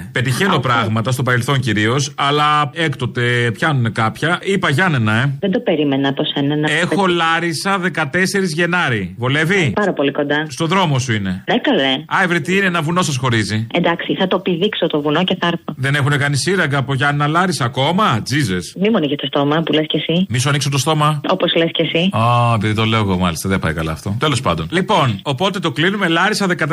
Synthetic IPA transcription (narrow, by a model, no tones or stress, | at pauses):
pe̞t̪içeno̞pɾɐɣmɐt̪ɐst̪opɐɾe̞lθo̞ɲciɾio̞sɐlɐekt̪o̞t̪e̞pçɐnune̞kɐpçɐipɐʝɐnenɐeðend̪o̞peɾimenɐposenɐnɐe̞xo̞lɐɾisɐðe̞kɐt̪e̞se̞ɾizʝe̞nɐɾivole̞vipɐɾɐpo̞liko̞nd̪ɐst̪o̞ðɾo̞mo̞suine̞ðekɐleɐevɾit̪iːneenɐvuno̞sɐsxo̞ɾiziend̪ɐksiθɐt̪oepiðiksot̪ovunoceθɐɾθoðe̞ne̞xune̞kɐnisiɾɐɡɐːpoʝɐnnɐlɐɾisɐːko̞mɐd͡zize̞smimuɐniçest̪ost̪o̞mɐpulescesimis̬uɐniksot̪ost̪o̞mɐopozlescesiaepiðit̪o̞le̞oɣomɐlist̪ɐðepɐ̰jkɐlɐ̰ːft̪o̞t̪e̞lo̞spɐ̰nd̪o̞nlipo̞nopo̞t̪e̞t̪o̞klinume̞lɐɾisɐðe̞kɐt̪